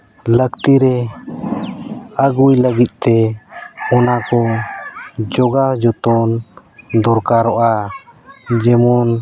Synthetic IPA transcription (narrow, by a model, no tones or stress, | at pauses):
ləkt̪iɾɛ | əɡujləɡit̪̚ˀt̪ɛ | ɔnakɔ | d͡ʒɔɡad͡ʒɔt̪ɔn | d̪ɔɾkaɾɔʔa | d͡ʒɛmɔn